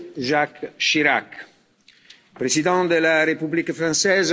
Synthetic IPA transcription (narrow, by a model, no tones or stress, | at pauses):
ʒakʃiɾak | pɾezid̪ɑ̃d̪əlaɾepyblikfɾɑ̃sɛz